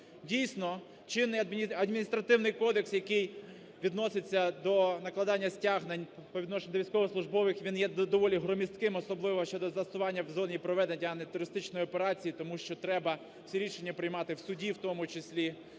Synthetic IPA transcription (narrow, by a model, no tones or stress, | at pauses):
dʲijsʲnɔ | t͡ʃɪnːɪjɐd̪mʲiɐd̪mʲinʲist̪ɾɐt̪ɪwnɪjkɔd̪eksjɐkɪj | ʋʲid̪nɔsɪt͡sʲːɐd̪ɔnɐklˠɐd̪ɑnʲːɐsʲtʲaɦnɐnʲpɔd̪nɔʃenʲd̪ɔʋʲijsʲkɔʋɔslˠʊʒbɔʋɪxʋʲinjɛd̪ɔʋɔlʲiɦɾɔmʲist̪kɪmɔsɔblˠɪʋɔʃt͡ʃɔd̪ɔzˠɐsʊʋɑnʲːɐwzɔnʲipɾɔʋɛd̪enʲːɐɐnet̪ʊɾɪst̪ɪt͡ʃnɔjɔpeɾɑt͡sʲijit̪ɔmuʃt͡ʃɔt̪ɾɛbɐ | w̥sʲiɾʲiʃenʲːɐpɾɪjmɑt̪ɪwsʊdʲiwt̪ɔmʊt͡ʃɪsʲlʲi